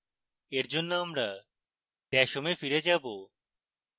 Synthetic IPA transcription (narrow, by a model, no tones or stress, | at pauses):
eɾd͡ʑonːoamɾa | ʈ̪ɛʃomefiɾed͡ʑabo